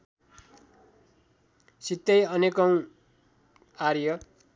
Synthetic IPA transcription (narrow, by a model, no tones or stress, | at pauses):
sit̪ːʌjʌnekʌw̃ | arjʌ